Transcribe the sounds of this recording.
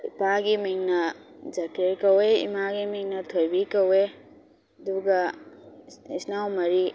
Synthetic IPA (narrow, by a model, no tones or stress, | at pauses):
ipaɡimiŋnɐd͡ʒakɾeɾkɐweḭmaɡimiŋnɐtʰojbikɐwe | ɐduɡɐ | isnawmɐɾi